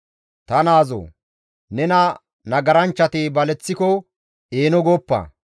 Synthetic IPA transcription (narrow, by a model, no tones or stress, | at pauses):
t̪ɐnaːzɔ̰ | nɛnɐ | nɐɡɐɾɐnt͡ʃːɐt̪ɪbɐlɛt͡sːɪkɔ | eːnɔɡɔpːɐ̰